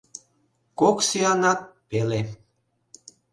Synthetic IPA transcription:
koksiɑnɑt̪̚pele

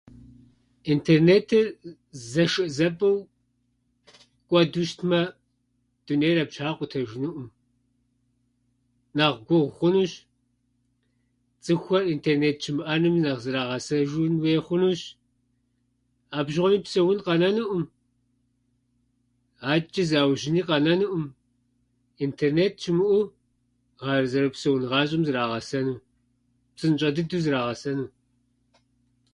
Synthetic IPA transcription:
ʔintʰeːrneːtʰɨ | zɐʃɨʔzɐbɐw | kʷʼɔduʃtʰmɐ | d̥unejrɐbɕaːqʷʊtʰɐʒɪnɨʔʷʊm | naːʁɡʷʊʁχʷʊnuːɕ | t͡sʼɨxʷɔrintʰeːrneːt̚t͡ʃʰɪmʔanɨmnɐʁzɨɾaːʁɐsɐʒunweːχʷʊnuːɕ | aːbʒɪʁʷɔniːpsɐwʊnqɐnɐnɨʔʊm | aːt͡ʃʼɪzaːwʒɪniːqɐnɐnɨʔʊm | intʰeːrneːt̚t͡ʃʰɪmʔu | ʁɑrɨzɐɾɐpsɐwʊnʁɑːɕʼɪmzɨɾaːʁɐsɐnuː | psɨnt͡ʃʼɐdɨduːzɨɾaːʁɐsɐnuː

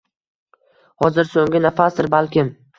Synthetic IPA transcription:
hɒzɪɾsoŋʲɪnafasd̪ɪɾbalkʲɪm

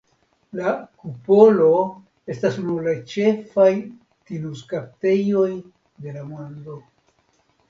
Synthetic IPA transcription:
lakupo̞lo̞ | e̞stasunuɾlat͡ʃe̞faj | tinuskap̚te̞jo̞j | de̞lamond̪o̞

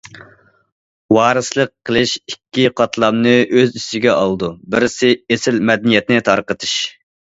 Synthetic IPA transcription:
wɑːɾɨslˠəqːəlˠɨʃikʲːiqʰɑt̪ʰlˠɑmnɨʔøzisɪɡʲɛɑlˠd̪ubɪɾɪsɪesɪlmɛd̪ɛnijɛt̪̚nɪt̪ʰɑɾqət̪ʰɨʃ

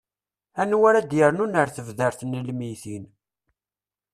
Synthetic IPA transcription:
ænwaɾæd̪jəɾnunəɾθəvðəɾθnəlmiθin

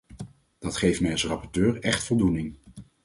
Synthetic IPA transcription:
d̥ɑtχejftmɛjɑlˠsrɑpɔɹtøːɹɛχtfɔlˠdunɪŋ

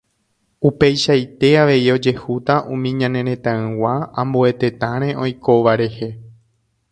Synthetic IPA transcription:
upe̞jʃajt̪e̞aʋe̞io̞d͡ʒe̞hut̪aʔũmĩɲãnẽɾ̃ẽ̞t̪ãɨ̃waãmbue̞t̪e̞t̪ãɾ̃ẽ̞õ̞jko̞ʋaɾe̞he̞

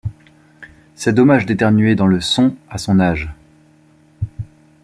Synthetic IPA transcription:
sɛd̪ɔmaʒd̪et̪ɛʁnɥed̪ɑ̃ləsɔ̃asɔ̃naʒ

